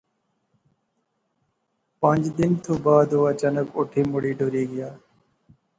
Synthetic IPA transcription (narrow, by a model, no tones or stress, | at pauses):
pə̃ɲd͡ʒd̪ɪnt̪ʰoːbaːd̪oːaːt͡ʃaːnəkoːʈʰeːmʊɽiːɖoːɾiːɡɪjaː